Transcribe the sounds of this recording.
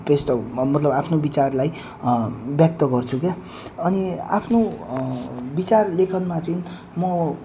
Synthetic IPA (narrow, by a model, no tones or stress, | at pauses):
pesʈ̪ʌmʌt̪lʌbapʰnobit͡sarlaj | bjʌk̚t̪ʌɡʌrt͡sʰuke | ʌnia̰pʰno | bit͡sarlekʰʌnmat͡sʌin | mʌ